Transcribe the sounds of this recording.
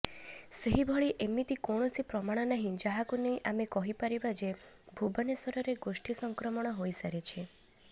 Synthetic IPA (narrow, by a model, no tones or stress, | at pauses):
seɦibʱɔɭiʔemit̪ikoɽ̃ɔsipɾɔmaɽ̃ɔnaɦĩd͡ʒaɦakunejʔamekɔɦipaɾibad͡ʒe | bʱubɔnesɔɾɔɾeɡosʈʰisɔŋkɾɔmɔɽ̃ɔɦojsaɾet͡ʃʰe